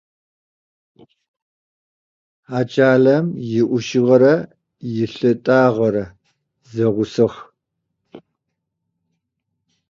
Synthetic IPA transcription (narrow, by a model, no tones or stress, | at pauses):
aːt͡ʃʼaːɮɐmjɪʔʷʊʃɪʁɐɾɐ | jɪɬɨtʼaːʁɐɾɐ | zɐʁʷʊsɨχ